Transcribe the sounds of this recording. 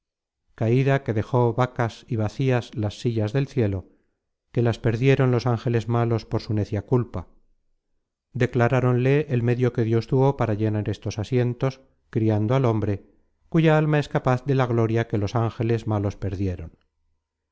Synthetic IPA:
kaiðake̞ðe̞xo̞βakasiβ̞aθiaslasːiʎazðe̞lθje̞lo̞ | ke̞laspe̞ɾðje̞ɾo̞nlo̞saŋxe̞le̞zmalo̞spo̞ɾsune̞θjakulpa | d̪e̞klaɾaɾo̞nle̞ʔːlme̞ðjo̞ke̞ðjo̞st̪uβo̞paɾaʝenaɾe̞st̪o̞sasje̞nt̪o̞s | kɾiand̪oalo̞mbɾe̞ | kuʝaalmae̞skapaθðe̞laɣlo̞ɾjake̞lo̞saŋxe̞le̞zmalo̞spe̞ɾðje̞ɾo̞n

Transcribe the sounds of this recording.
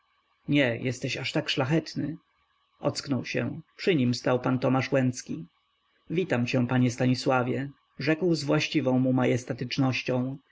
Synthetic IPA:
ɲɛjʔɛst̪ɛɕaʂt̪akʂlaxɛt̪nɘ | ʔɔt̪sknɔwɕɛ̰pʂɘɲimst̪awpant̪ɔmaʂwɛnt̪skʲi | vʲit̪amt͡ɕɛ̃paɲɛst̪aɲiswavʲjɛ | ʐɛkwzvwaɕt͡ɕivɔ̃w̃mumajɛst̪at̪ɘt͡ʂnɔɕt͡ɕɔ̃w̃

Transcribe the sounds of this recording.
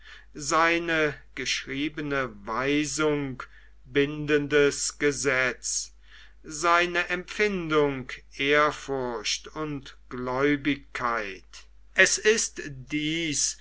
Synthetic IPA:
zaɪnəɡ̥əʃʁiːbənəvaɪzʊŋk | bɪndəndəsɡ̥əzɛt͡s | zaɪnəʔɛmpfɪndʊŋkʔeːɐfʊɐɕtʊntɡ̥lɔʏbɪkʰːaɪt | ʔɛsɪstd̥iːs

